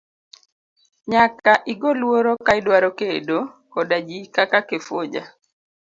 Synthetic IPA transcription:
ɲakaʔiɡolwoɾokaɪdwaɾokedo | kɔdad͡ʒikakakefod͡ʒa̰

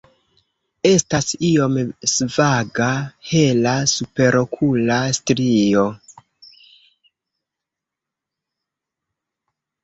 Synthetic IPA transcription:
e̞stasio̞msvaɡahe̞lasupe̞ɾo̞kʰulastɾio̞

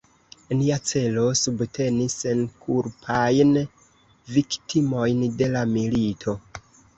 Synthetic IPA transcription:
niat͡se̞lo̞subtʰe̞nisːe̞nkʰuɾpʰajn | viktʰimo̞jnde̞lamilitʰo̞

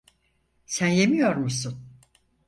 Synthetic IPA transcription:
sænje̞mijo̞ɾmusun

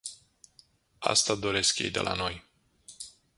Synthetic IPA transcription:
a̰st̪ad̪o̞ɾe̞skjḛjd̪e̞̰lʔa̰no̞j

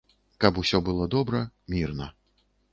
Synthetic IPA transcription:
kɐpusʲɔbɨlˠɔd̪ɔbɾɐmʲirnɐ

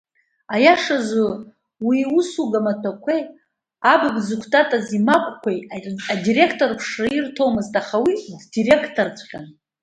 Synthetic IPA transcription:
ajaʂazo | wiusuɡamatʰakʷʰej | abɨɡzɨkʷʰtʼatʼazimakʷʼkʷʰejadiɾe̞kʰtʼorpʰʂrairtʰo̞wmɨztʼaχawiddire̞kʰtʰort͡sʷʰʼχʲan

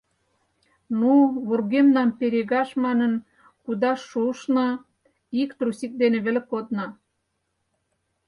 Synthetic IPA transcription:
nuβurɣemnɑmpeɾeɣɑʃmɑnən | kud̪ɑʃːuʃnɑ | ikt̪ɾusik̚d̪enĕβĕlekod̪nɑ

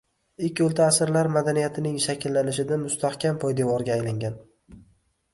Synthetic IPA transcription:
ɪkʲːolˠt̪ʰaːsɪɾlaɾmad̪anijat̪ʰɪnɪŋʃakʲʰɪlːanɪʃɪd̪amʊst̪ʰahkʲʰampʰɒjd̪evɒɾɡʲaːjlaŋɡʲan

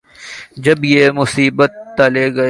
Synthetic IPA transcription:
d͡ʒɐbjeːmʊsiːbət̪ːɐleɡɐ

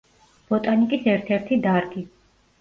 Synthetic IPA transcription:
b̥ɔt̪ʼanikʼisɛɾt̪ʰɛɾt̪ʰid̪aɾɡi

